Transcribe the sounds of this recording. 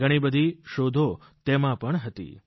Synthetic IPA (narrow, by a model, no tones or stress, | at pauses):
ɡəɽ̃ibəd̪ʱiʃod̪ʱo | t̪emãpəɳɦət̪ḭ